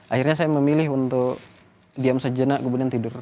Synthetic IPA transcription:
ʔahirɲasajaməmilɪɦunt̪ʊk | diamsəd͡ʒənaʔkumudiant̪idʊr

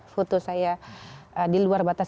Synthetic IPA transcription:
fot̪osajaədiluarbat̪as

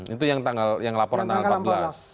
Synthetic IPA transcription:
it̪ujaŋt̪aŋɡaljaŋlapɔɾant̪aŋalpabəlas

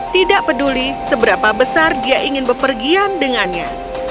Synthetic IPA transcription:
t̪idaʔpədulisəbəɾapabəsardiaʔiŋɪnbəpərɡiandəŋanɲa

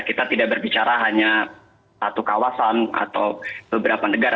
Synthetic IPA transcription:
kit̪at̪idaʔbərbit͡ʃaɾaɦaɲa | sat̪ukawasana̰t̪awb̥əbəɾapanəɡaɾa

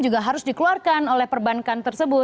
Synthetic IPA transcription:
d͡ʒuɡaɦaɾʊsdikəluarkanolɛhpərbankant̪ərsəbʊ

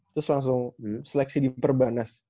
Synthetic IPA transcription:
t̪ɾʊslaŋs̬ʊŋsəlɛk̚sidipərbanas

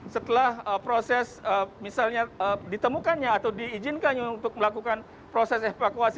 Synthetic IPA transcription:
sət̪əlahəpɾosɛsəmisalɲaədit̪əmukanɲaːt̪awdiːd͡ʒɪnkanɲaunt̪ʊk̚məlakukan | pɾosɛsefakuasi

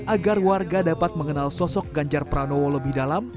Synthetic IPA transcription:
ʔaɡarwarɡadapat̪̚məŋənalsɔsɔk̚ɡaɲd͡ʒarpəɾanowoləbɪhdalam

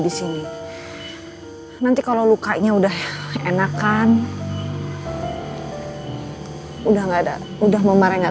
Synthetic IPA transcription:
disini | nant̪ikalalukaʔɲaudaɦenakan | udahŋɡada̰ | udahməmaɾɛŋɡa

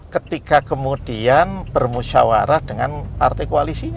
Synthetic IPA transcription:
kət̪ikakəmud̥ianb̥ərmusa̰wa̰ɾahd̥əŋanpart̪ajkoalisiɲ

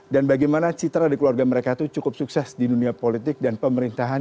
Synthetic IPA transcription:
danbaɡajmanat͡ʃit̪ɾadikluarɡaməɾekait̪ut͡ʃukʊp̚suksɛsdiduniapolit̪ɪk̚danpəməɾint̪aɦan

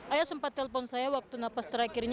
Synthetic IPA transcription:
ʔajasəmpat̪ːɛləfɔnsajawak̚t̪unapast̪əɾakɪrɲ

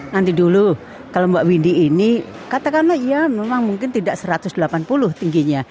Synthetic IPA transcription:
nant̪idulu | kalombaʔwindiːni | kat̪akanlaijamemaŋmuŋkɪnt̪idaʔsəɾat̪ʊsdəlapanpulʊht̪iŋɡiɲa

